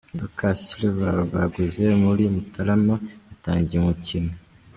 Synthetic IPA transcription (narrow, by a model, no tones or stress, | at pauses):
bakasiluβaoβaɡuzemuɾimutʰalamaataːɲɟiemucino